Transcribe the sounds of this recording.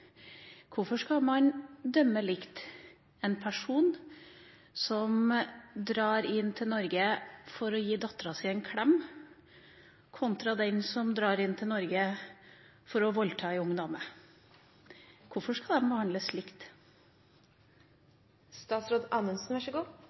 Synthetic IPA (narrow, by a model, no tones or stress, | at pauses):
kʰʊfɔʂkɑmɑnd̪œmːəlɪkt̪ | ɛnpʰæʂuːn | sɔmd̪ɾɑːɾɪnːt̪ʰɪlnɔɾɡəfɔɾɔjiːd̪ɑt̪ːɾɑsiɛnkʰɽɛm | kʰʊnt̪ɾɑd̪ɛnsɔmd̪ɾɑːɾɪnt̪ʰɪlnɔɾɡə | fɔɾɔʋɔlt̪ʰɑːɛʊŋːd̪ɔmə | kʰʊfɔʂkɑd̪ɛnbəhɑnd̪ləslɪkt̪ | st̪ɑːt̪sɾoːd̪ɑːnənsn̩ʋɑʂɔɡuː